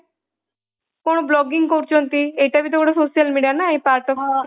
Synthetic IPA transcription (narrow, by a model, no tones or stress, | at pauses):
koɽ̃blɔːɡɪŋɡkoɾt͡ʃont̪ieʈabʱit̪ɔkoɽasoːsijəlmiɖijanaĩpaːɾʈɔ